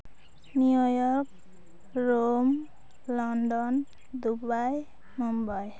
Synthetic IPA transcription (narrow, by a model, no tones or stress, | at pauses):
nijojɔk̚ | rom | lɔnɖɔn | d̪ubaj | mumbaj